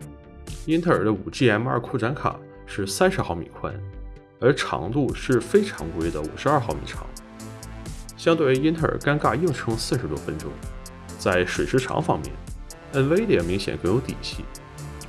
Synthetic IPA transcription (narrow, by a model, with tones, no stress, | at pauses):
i˥nt̪ʰə˥˩ə˞˨˩d̪ə˦u˨˩ʈ͡ʂi˥˩ɛ˧˥nmə̰˞˥˧˥kʰu˥˩ʈ͡ʂa˧˥nkʰa̰˨˩˦ | ʂɻ̩˥˩sa˥nʂɻ̩˧˥xɑ˥˩ʊmḭ˨˩kʰwa̰˥n | ə˞˧˥ʈ͡ʂʰɑ̰˧˥ŋt̪u˥˧ʂɻ̩˥˩fe˥ɪʈ͡ʂʰɑ̰˧˥ŋkwu˧˥i˥˩d̪ə˩ṵ˨˩ʂɻ̩˧˥ɐ˞˥˧xɑ˥˩ʊmḭ˨˩ʈ͡ʂʰɑ̰˧˥ŋ | ɕjɑ˥ŋt̪we˧˩i˥nt̪ʰə˥˩ə̰˞˨˩ka˥nka˥˧ji˥˩ŋʈ͡ʂʰɤ˧˥ŋsɹ̩˥˩ʂɻ̩˧˥t̪wɔ˥fə˥nʈ͡ʂʊ̰˥ŋ | t͡sa˥˩ɪʂwe˨˩ɪʂɻ̩˥˩ʈ͡ʂʰɑ̰˧˥ŋfɑ̰˥ŋmjɛ̰˥˩n | ə˥nwe˥ɪt̪jɛ˨˩nmi˧˥ŋɕjɛ̰˨˩nkɤ˥˩ŋjo˧˥ʊt̪ḭ˨˩ɕʰḭ˥˩